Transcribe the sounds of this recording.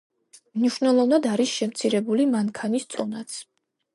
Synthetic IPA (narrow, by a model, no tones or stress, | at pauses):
mniʃnɛlˠɔvnad̪aɾisʃɛmt̪sʰiɾɛbulimaŋkʰanist̪sʼɔnat̪sʰ